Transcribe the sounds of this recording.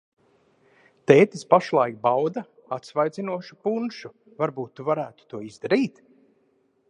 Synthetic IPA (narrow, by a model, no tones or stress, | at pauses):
t̪eːt̪ispaʃlˠajk̚bawd̪a | at̪svajd̪zinuɔʃu̥punʃu | vaɾbuːt̪ːuvaɾæːt̪u̥t̪uɔizd̪aɾiːt̪